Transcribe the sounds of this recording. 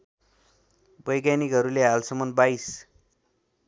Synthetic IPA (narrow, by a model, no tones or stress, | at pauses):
bʌjɡjanikɦʌɾuleɦalsʌmʌnbais